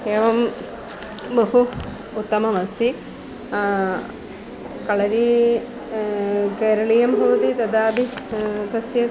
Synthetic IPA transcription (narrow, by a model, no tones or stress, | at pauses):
eːʋɐm | bɐɦuː | t̪ːɐmɐmɐst̪i | kɐɭɐɾi | keːɾɐɭijɐmbʱɐʋɐt̪it̪ɐd̪aːbʱit̪ɐsjɐ